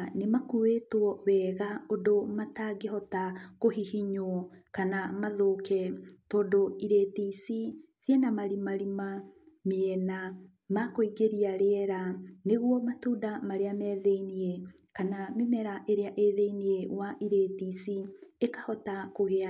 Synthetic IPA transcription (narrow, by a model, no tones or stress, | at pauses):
nemakuwetwɔβɛːɣaodomataɡeɦɔtakoɦihiɲoɔkanamaðokɛtɔːndoiɾetisisjenamaɾimaɾimameɛna | makoiɡeɾiaɾeɛɾaneɣwɔmatuːdamaɾeamɛːðeinie | kanamemɛɾaʔeɾeaʔeðeiniewaʔiɾetisiekahɔtakoɣea